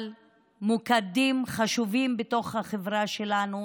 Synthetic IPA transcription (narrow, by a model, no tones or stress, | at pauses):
l | mukadimχaʃuvimbeto̞χhaχevʁaʃe̞lanu